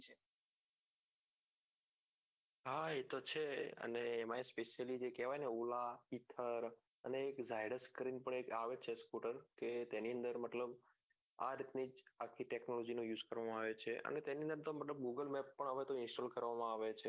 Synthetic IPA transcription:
t͡ʃʰe | ɦaet̪ot͡ʃʰeə̰neːmãespeʃəlid͡ʒekɛʋajneulait̪ʰəɾ | ə̰neːkzajɽəɾskɾinpəɳekaʋet͡ʃʰeskuʈəɾket̪eniə̃nd̪əɾmət̪ləb | a̰ɾit̪nid͡ʒakʰiʈeknolɔd͡ʒinũjuːzkəɾʋamãaʋet͡ʃʰḛʔə̰net̪eniə̃nd̪əɾt̪omət̪ləb̚ɡuɡəlmɛpːəɳɦəʋet̪oɪ̃nsʈolkəɾʋamãaʋet͡ʃʰe

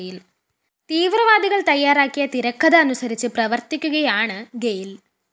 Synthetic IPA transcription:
jil | t̪iːʋrɐʋaːd̪iɣɐɭt̪ɐjːaːɾaːkːijɐt̪iɾɐkːɐðɐːnusɐɾit͡ɕːɨprɐʋɐrt̪ikʲːuɣɐjaːɳɨɡejil

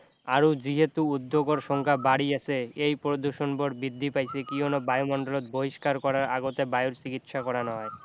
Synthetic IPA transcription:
aɾud͡ʑiɦet̪uud̪ʱːoɡoɾʃɔŋkʰabaɽiasʰeejpɾod̪uɾʃonboɽbid̪ʱːipajsʰekionobajomɔɳɖolot̪̚boɦiʃkaɾkɔɾaɾaɡot̪ebajoɾt͡ɕikit̪ʃakɔɾanɔe

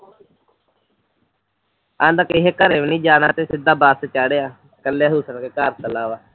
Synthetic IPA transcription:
and̪əkɪɦeːkəɾẽːʋnĩːd͡ʒaːnaːt̪eːsɪd̪aːbaːst̪et͡ʃaːɽeːaː | kəlːeaːɦuːsənkeːkaːɾt̪əlaːʋaː

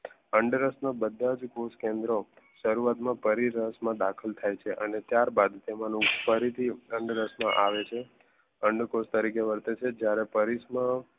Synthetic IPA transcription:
əɳɖɾəsnabəd̪ʱːad͡ʒkoskẽnd̪ɾo | ʃəɾuʋat̪mãpəɾiɾəɦəsmãd̪akʰəlt̪ʰajt͡ʃʰeʔənet̪jaɾbad̪t̪emãnũfəɾit̪ʰiəɳɖɾəsmãʔaʋet͡ʃʰe | əɳɖkost̪əɾikeʋəɾt̪et͡ʃʰed͡ʒjaɾepəɾismã

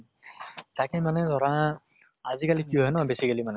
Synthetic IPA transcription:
t̪akimaned̪ʱɔɾã | azikalikjuɦenɔbesikalimane

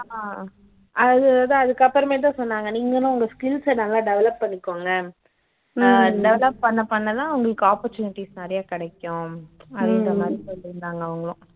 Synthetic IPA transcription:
ɐðɯðãɐðɯkːɐpːɐɾɐmeːt̪̬ãːsɔnːaːŋɡɐniːŋɡɐnʊ̃ʊŋɡɐskɪlsɛnaːlãːɖɛʋɐlɐpːɐɳːɪkːoːŋɡɐ | ɖɛʋɐlɐp̚pɐɳːɐpɐɳːɐlãːɐʋɐŋɡɐɭɯkːɯaːpɔɾt͡ʃuːnɪʈːisnaːɾɪjaːkɪɽɛkːʊ̃ɐðɯɐmaːd̪ɾisɔlːɪɾɯnd̪aːŋɡɐːʋɐŋɡɐɭʊ̃

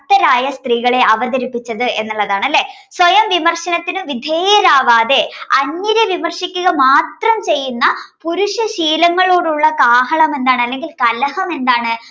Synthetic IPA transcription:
t̪ːɐɾaːjɐst̪riːɣɐɭe̞ʔɐʋɐðɐɾipːit͡ɕːɐðɨʔe̞nːuɭːɐðaːɳɐlːe̞ː | swɐjɐmʋimɐrɕɐnɐt̪ːinɨʋid̪ʱeːjɐɾaːʋaːd̪e̞ɐɲːɐɾeʋimɐrɕikʲːuɣɐmaːt̪rɐmt͡ɕe̞jːunːɐpuɾuʂɐɕiːlɐŋːɐɭoːɽuɭːɐkaːɦɐɳɐmend̪aːɳɨɐlːe̞ŋɡilkɐlɐhɐmend̪aːɳɨ

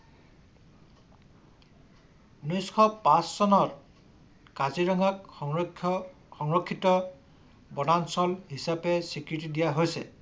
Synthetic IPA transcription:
nɔjskʰɔpãsːɔnɔɹ | kaziɹɔŋak̚ | xɔŋɹɔkʰːitɔ | bɔnansɔlɦisapɛsikɹitidijaɦojsɛ̰

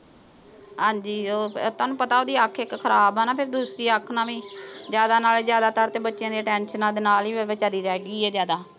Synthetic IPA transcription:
ɦãːɲd͡ʒiːot̪oːnũːpət̪aːoːd̪iːəkʰɪkkʰəɾaːbɛːnaːpʰɪɾd̪uːsɾiːəkʰːnãːʋĩːzjaːd̪aːnaːleːzjaːd̪aːt̪aɾt̪eːbətːʃjãːd̪eːʈɛːnʃənãːd̪eːnaːliːʋeʋeːt͡ʃaɾiːɾɛɛɡiːɛːzjaːd̪aː

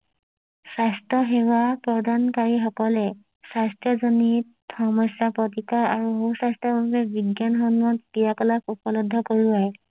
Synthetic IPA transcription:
sastɔɦewapɹɔdʱankaɹixɔkɔlɛ | sastɔzɔnit | xɔmɔsjapɔt̬ikaɹaɹuɦosastɔbʱabɛbiɡjanxɔnmɔtːijakɔlakupɔlɔdʱːɔkoɹuaj

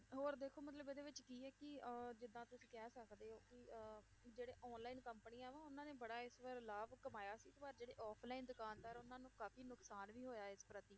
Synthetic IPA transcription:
ɦoːɾd̪eːkʰoːmət̪̬ləbɪd̪eːʋɪt͡ʃkiːɛːkɪd͡ʒɪd̪ãːt̪ʊsĩːkɛːsəkd̪eːɦoːkɪ | d͡ʒeːɽeːʔɔːnlaːiːnkəmpəniːaɛ̃ːʋãːʊnãːneːbəɽaːɪsʋəɾlaːbkəmaːjaːsiːt̪ːbaːɾd͡ʒeːɽeːʔɔːpʰlaːind̪ʊkaːnd̪aːɾʊnãːnũːkaːpʰiːnʊksaːnʋiːɦoːjaːɪspɾət̪iː

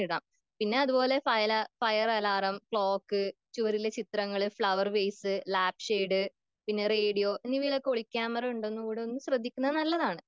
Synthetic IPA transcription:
iɽa̰ːm | pinːe̞ɐðubo̞ːle̞fɐjlɐfɐjɐrɐlaːrɐmkɭo̞ːkːɨt͡ɕuʋɐɾilet͡ɕit̪rɐŋːɐɭɨfɭɐʋɐrbejsɨlaːpʂeːɖɨ | pinːe̞reːɽijo̞ːʔenːiʋiːlokːoɭikʲːaːmɐrɐuɳɖonːukuːɽeonːɨɕrɐd̪ʱːikʲːunːɐɨnɐlːɐðaːɳɨ

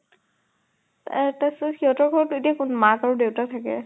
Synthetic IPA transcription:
ta̰tasɔxiɦɔtɔɹɡʱɔɹɔtʊetiakʊnmakaɹʊdewtatʰakɛ̰

